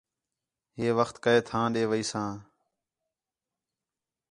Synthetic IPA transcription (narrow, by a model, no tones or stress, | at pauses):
ɦeːʋəxt̪kəeːt̪ʰãːɗeːʋəiːsãː